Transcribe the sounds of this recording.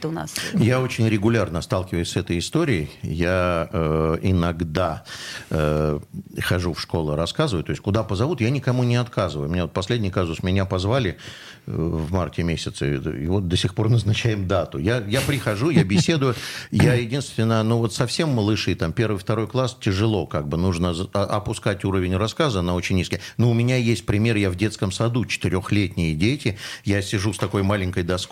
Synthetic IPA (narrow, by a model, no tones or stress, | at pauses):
t̪ʊna̰sjao̞t͡ɕɪnʲɾʲɪɡʊlʲarnəst̪alˠkʲɪvəjʊsʲsɛt̪əjɪst̪o̞ɾʲɪɪjaəɪnɐɡd̪aə | xɐʐufʂko̞lˠʊɾɐskazɨvəjʊt̪o̞ɪsʲtʲkʊd̪apəzɐvut̪janʲɪkɐmunʲɪɐt̪kʰazɨvəjʊmʲɪnʲavot̪̚pɐsʲlʲedʲnʲɪjkazʊsmʲɪnʲapɐzvalʲɪ | vmartʲɪmʲesʲɪt̪sə̰ḭvo̞t̪̚d̪əsʲɪxpo̞rnəznɐt͡ɕæjɪmd̪at̪ʊjajapɾʲɪxɐʐujabʲɪsʲe̞d̪ʊjʊjajɪdʲinst̪vʲɪnːənuvo̞t̪sɐfsʲe̞mːəlˠɨʂɨjt̪ampʲe̞rvɨjft̪ɐɾo̞jklˠastʲɪʐɨlˠo̞kaɡ̚bɨnuʐnəzʔɐpʊskatʲuɾəvʲɪnʲrɐskazənao̞t͡ɕɪnʲnʲːisʲkʲɪjnoʊmʲɪnʲajesʲt̚ʲpɾʲɪmʲe̞rjavdʲe̞t̪skəmsɐd̪ut͡ɕɪ̥t̪ɪɾʲo̞xlʲetʲnʲɪjədʲetʲɪjasʲɪʐust̪ɐko̞jmalʲɪŋʲkəjd̪ɐsk